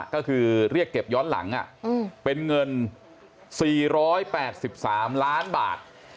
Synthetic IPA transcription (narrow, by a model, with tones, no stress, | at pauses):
kɔː˥˩kʰɯː˧ɾi˥˩əkːe˨˩p̚jɔː˦˥nla̰˩˦ŋʔa̰˨˩ʔpe˧nŋɤ˧n | siː˨˩ɾɔː˦˥jpɛː˨˩t̪̚si˨˩p̚saː˩˦mlaː˦˥nba̰ː˨˩t̪̚